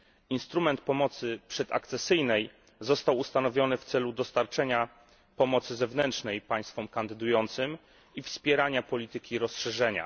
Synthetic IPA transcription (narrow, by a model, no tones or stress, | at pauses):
inst̪ɾumɛnt̪̚pɔmɔt̪sɘpʂɛd̪a̰kt̪sɛsɘjnɛj | zɔst̪awust̪anɔvʲjɔnɘft̪sɛlud̪ɔst̪aɾt͡ʂɛɲa | pɔmɔt̪sɘzɛvnɛntʂnɛjpaj̃st̪fɔmkand̪ɘd̪ujɔnt̪sɘm | ifspʲjɛɾaɲapɔlʲit̪ɘkʲiɾɔsʂɛʐɛɲa̰